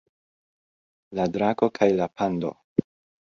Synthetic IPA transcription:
ladɾako̞kʰajlapʰando̰

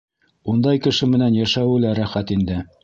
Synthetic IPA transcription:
und̪ɑjkɘ̆ʃɘmɘ̆nænjæʃæwɘ̆læɾæχæt̪ind̪ɘ

